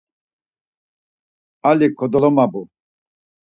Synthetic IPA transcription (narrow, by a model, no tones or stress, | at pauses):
alikʰɔd̪ɔlɔmabu